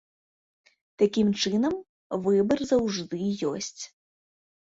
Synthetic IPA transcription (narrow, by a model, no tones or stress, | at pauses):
t̪akʲimt͡ʂɨnɐm | vɨbɐrzɐwʐd̪ɨjɔ̰sʲt͡sʲ